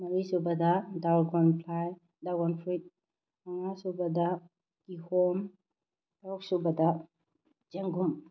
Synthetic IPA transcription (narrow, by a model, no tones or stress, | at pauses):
naɾisubadadawlɡɔnpʰlaj | daɡɔnfʰɾit̚ | aŋasubada | kihɔm | taɔksubada | d͡ʒeŋɡum